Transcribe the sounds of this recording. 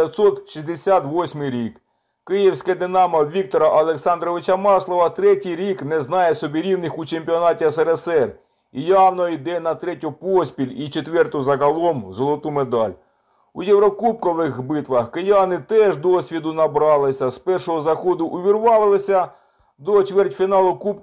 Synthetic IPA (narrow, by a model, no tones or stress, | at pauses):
ɐt̪sɔt̪ʃʲizʲd̪esʲat̪ʋɔsʲmɪjɾʲik | kɪjiwsʲkɛd̪enɑmɐʋʲik̚t̪ɔɾɐʔɐlˠeksɑnd̪ɾɔʋɪt͡ʃɐmɑslˠɔʋɐt̪ɾɛtʲijɾʲiknɛznɑjɛsɔbʲiɾʲiwnɪxut͡ʃemʲpʲiɔnɑtʲiɐsɛɾɛsɛr | ijɑwnɔid̪ɛnɐt̪ɾɛtʲʊpɔsʲpʲilʲit͡ʃet̪ʋɛrt̪ʊzɐɦɐlˠɔmzɔlˠɔt̪umed̪ɑlʲ | ujɛwɾɔkup̚kɔʋɪxbɪt̪ʋɐxkɪjɑnɪt̪ɛʒd̪ɔsʲʋʲid̪ʊnɐbɾɑlˠɪsʲɐspɛrʃɔɦɔzɐxɔd̪ʊʔʊʋʲirʋɑlˠɪlˠɪsʲɐ | d̪ɔt͡ʃʋɛrtʲfʲinɑlˠʊkup